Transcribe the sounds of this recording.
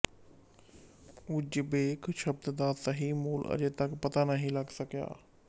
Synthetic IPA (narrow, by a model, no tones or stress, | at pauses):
ʊd͡ʒbeːkʃəb̚t̪d̪aːsəɦiːmuːlə̰d͡ʒeːt̪əkpət̪aːnəɦĩːləɡsəkja̰ː